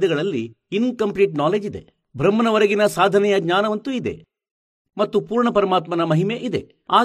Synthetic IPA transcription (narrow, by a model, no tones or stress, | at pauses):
d̪ɛɡɐɭɐlːi | inkɐmpliːʈnaːleːd͡ʒid̪e̞̰ | bʱɾɐmːɐnɐʋɐɾɐɡinɐsaːd̪ʱɐnɛjɐɡɲaːnɐʋɐnt̪uid̪e̞̰ | mɐt̪ːupuːɾɳɐpɐɾɐmaːt̪mɐnɐmɐɦimeʔid̪e̞̰ | aː